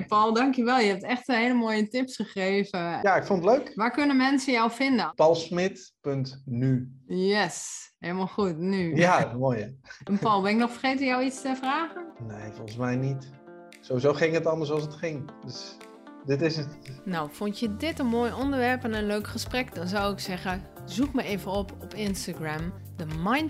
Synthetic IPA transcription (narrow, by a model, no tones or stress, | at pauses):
pɔlˠdɑŋkjəʋɛlˠjəɦɛp̚tɛxtəheːləmoːjətɪpsχəxreːvəjaɪkfontətløɥkʋakønəmɛnsəjawfɪndəpɔlˠsmɪtpøntnyjɛshelˠmalˠxutnyjamojəɛnpalˠbɪnɪk̚nɔxfərxeːtənjawistəfraːɣənnejfɔlˠχəsmɛjnit | sowʋizowχɪŋətɑndəɹsɑlˠsətχɪŋdøs | dɪtɪsətnawfɔntjədɪtənmoːjɔndəɹʋɛɹpɛnənløɥkχəsprɛkdɔnzawɪksɛχəzukməejvənɔpʰɔpɪnstaɡram | dəmajn